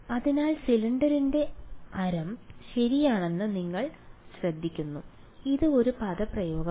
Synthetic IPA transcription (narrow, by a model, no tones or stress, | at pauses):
ɐðinaːlsiliɳɖɐɾinde̞ɐɾɐmɕɐɾijaːɳe̞nːɨniŋːɐɭ | ɕrɐd̪ʱːikʲːunːu | iðɨo̞ɾupɐðɐprɐjo̞ːɡɐ